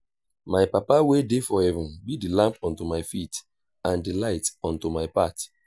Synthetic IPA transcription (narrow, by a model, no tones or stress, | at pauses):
majpapawedefɔhɛvũnbidilãmpɔ̃ntumaɪfit | ãndilaɪtɔ̃ntomaɪpat